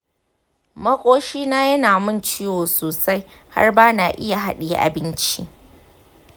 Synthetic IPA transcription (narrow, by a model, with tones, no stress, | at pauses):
mɐ˦kʷʼoː˦ʃiː˦naː˦jɐ˦naː˨mʊ˦˨nt͡ʃiː˦woː˨soː˨sa˦j | ha̰˦rbaː˦naː˨ʔɪ˦ja˨ɦa̰˦ɗiː˨ʔa̰˨bɪ˦nt͡ʃḭ˦ʔ